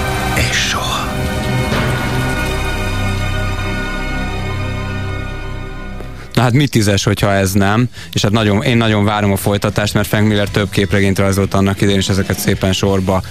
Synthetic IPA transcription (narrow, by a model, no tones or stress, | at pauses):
eːʃːohɒ | nɒɦat̪mit̪ːizɛʃho̞cʰhɒɛznɛm | eːʃhat̪nɒɟo̞neːnːɒɟo̞ɱvaːɾo̞mɒfo̞jt̪ɒt̪aːʃt̪mɛrt̪fɛŋkmilɛrt̪ø̞b̚keːprɛɡeːɲt̪rɒjzo̞lt̪ɒnːɒkid̪ɛeːneːʃɛzɛkɛt̪seːpɛnʃo̞rbɒ